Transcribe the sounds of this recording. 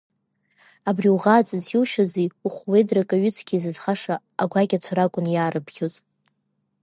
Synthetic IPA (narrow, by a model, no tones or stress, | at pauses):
abriuʁaːt͡sʼɨziwʃaziuχʷwejdrakʼaɥʏt͡sʰɡʲizɨzχaʂa | aɡʷaɡʲat͡sʷʰaɾakʷʼʊnjaːɾɨbɡʲʰot͡sʼ